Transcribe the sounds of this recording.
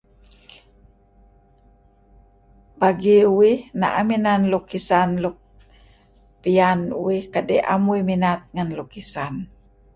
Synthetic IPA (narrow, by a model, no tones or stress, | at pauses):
baɡiuwihna̰ʔaminanlukisanluk̚ | pianuwihkadɛʔa̰muiminat̪̚ŋanlukisan